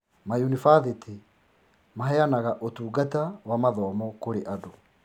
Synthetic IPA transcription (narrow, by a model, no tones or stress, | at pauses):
majunifaðiti | maɦɛanaɣaʔotuːɡatawamaðɔːmɔkoɾeʔado